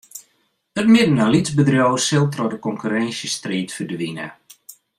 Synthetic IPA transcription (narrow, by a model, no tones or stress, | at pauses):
ətmɪdənalizbədrjowərsɪlˠtrɔdəkɔŋkyɾɛnsjəstriːtfədʋinə̰